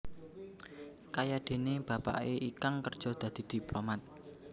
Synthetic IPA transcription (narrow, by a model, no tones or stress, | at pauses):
kajad̪̥e̤neb̥ä̤pa̰ʔeʔikaŋkərd̥ʒ̥ɔ̤d̪̥ä̤d̪̥i̤d̪̥i̤plomat̪̚